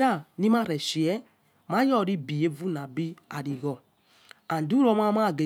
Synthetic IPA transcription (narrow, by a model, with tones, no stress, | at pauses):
ɾa˦˨ni˦ma˦ɾɛ˨ʃi˨ɛ˦ | ma˦jɔ˦˨ɾi˦bi˨e˦vu˦na˨bi˦a˨ɾi˨ɣɔ˨ | a˨n˨du˦ɾɔ˦ma˦ma˦˨ɡe˨